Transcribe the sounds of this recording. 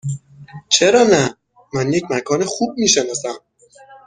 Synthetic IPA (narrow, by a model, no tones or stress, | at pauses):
t͡ʃʰeɾɒːnæ | mænjecʰmækʰɒːnexuːb̚miːʃenɒːsæm